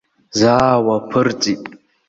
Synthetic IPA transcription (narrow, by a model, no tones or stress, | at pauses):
zaːwapʰɨrt͡sʼitʼ